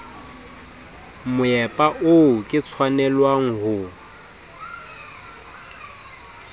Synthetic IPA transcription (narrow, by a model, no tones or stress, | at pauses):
mʊɛpʼaʔʊkʼɪt͡sʰwanɛlwaŋ̩ɦʊ